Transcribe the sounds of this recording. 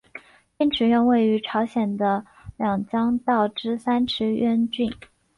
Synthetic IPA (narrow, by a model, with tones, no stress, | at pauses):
pjɛ˥nʈ͡ʂʰɻ̩˨˧˥ɥɛ˥˧nwe˥˩ɪy˧˥ʈ͡ʂʰɑ˧˥ʊɕjɛ˨˩nd̪ə˦ | ljɑ˨˩ŋt͡ɕjɑ˥ŋt̪ɑ˥˩ʊʈ͡ʂɻ̩˥sa˥nʈ͡ʂʰɻ̩˧˥ɥɛ˥nt͡ɕy˥˩n